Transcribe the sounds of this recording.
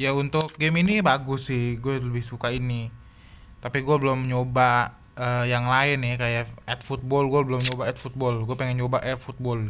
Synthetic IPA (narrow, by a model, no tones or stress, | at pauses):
jaunt̪ʊk̚ɡɛminibaɡʊsɪhɡuɛləbɪhsukaini | t̪apiɡuɛbəlomɲoba | əjaŋlaɪnɪkajaɛt̪̚fut̪̚bɔlɡuɛbəlomɲobaɛt̪fut̪̚bɔlɡuɛpɛŋɛŋt͡ʃobaʔɛt̪̚fut̪̚bɔl